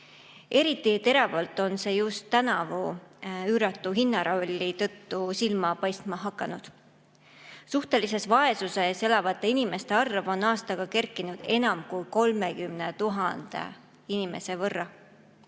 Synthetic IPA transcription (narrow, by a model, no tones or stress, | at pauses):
e̞ɾit̪ːˑit̪e̞ɾɑvɑlt̪ːˑo̞nse̞ːjust̪ːænɑvuyːɾɑt̪ːˑuɦinːɑɾolʲːit̪ɤt̪ːusilmɑpɑjst̪mɑɦɑkːˑɑnud̪̥ | suht̪e̞lise̞svɑe̞suse̞se̞lɑvɑt̪ːˑe̞inime̞st̪e̞ɑrvo̞nɑːst̪ɑɡ̥ɑke̞rkːˑinud̪̥e̞nɑmkujko̞lme̞kymne̞t̪uɦɑnd̪̥ḛ | inime̞̰se̞vɤrːɑ